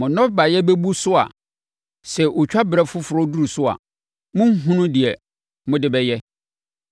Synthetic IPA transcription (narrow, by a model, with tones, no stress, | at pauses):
mʊ̃˨nɔ̃˦ba˨jɛ˦bɛ˦bu˦sʊ˦a̰˨ | sɛ˨ʔo˨t͡ɕᶣa˦bɾɛ˦fʊ˦fʊ˨ɾɔ˦du˦ɾu˨sʊ˦a̰˨ | mʊ̃˦ŋ̩˦ɦũ˦nʊ̃˦dɪ˨ɛ˨ | mʊ̃˦dɪ˦bɛ˦jɛ˦